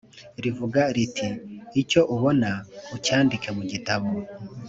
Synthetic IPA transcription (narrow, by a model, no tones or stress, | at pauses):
ɾivuɡaɾitiːco̞ʔuβo̞naucaːndike̞muɟitaβo